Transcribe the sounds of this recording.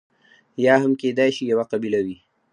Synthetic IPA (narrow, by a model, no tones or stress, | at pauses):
jaːɦɐmkeːd̪aːjʃijɐwaqabilawi